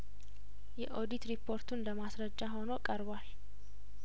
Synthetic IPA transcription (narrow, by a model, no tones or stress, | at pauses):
jɛʔo̞d̪it̪ɾipʰːo̞ɾt̪ʰunləmasɾəd͡ʒːaho̞nokʼəɾbal